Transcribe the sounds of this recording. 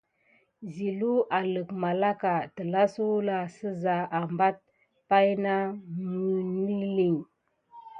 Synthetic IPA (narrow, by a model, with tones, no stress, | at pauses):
zi˨lu˦ʔa˨lə˨kma˨la˦ka˨tə˨la˦su˦wla˨sə˦za˨a˨mba˦t̚ | pa˦jna˦mə˨n˦i˦li˨ŋ